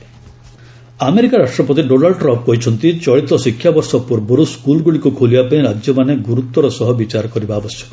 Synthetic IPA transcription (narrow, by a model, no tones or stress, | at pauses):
ameɾikaɾaʂʈɾɔpɔt̪iɖonaɭɖʈɾɔmp̚kɔɦit͡ʃʰɔnt̪it͡ʃɔɭit̪ɔsikʰːjabɔɾsɔpuɾboɾuskulɡuɭikukʰolibapaĩɾad͡ʒjɔmaneɡuɾut̪ːɔɾɔsɔɦɔbit͡ʃaɾɔkɔɾibaːbɔsjɔ̥k